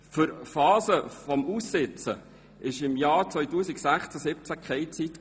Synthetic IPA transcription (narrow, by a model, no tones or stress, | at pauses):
fʏɾfɑːsəfɔmusːɪt͡sə̰ | ʔɪʃɪmjɑːɾt͡sʋœʏtuːsiksæχt͡sæsɪp̚t͡sækχɛɪt͡sit̪